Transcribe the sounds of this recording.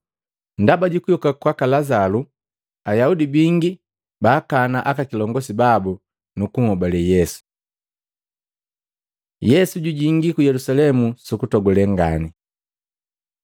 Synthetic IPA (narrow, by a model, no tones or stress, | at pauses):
ndabaɟukujɔkakwakalazalu | ajaudibiŋɡi | baːkanaʔakakilɔŋɡɔsibabu | nukuŋhɔbalɛjɛsu̥ | jɛsuɟuɟiŋɡikujɛlusalɛmusukutɔɡɔlɛŋɡa̰ni